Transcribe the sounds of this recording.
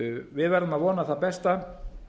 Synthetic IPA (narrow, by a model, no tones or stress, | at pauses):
vɪðvɛɾðʏmaðvɔːnaθapɛst̪a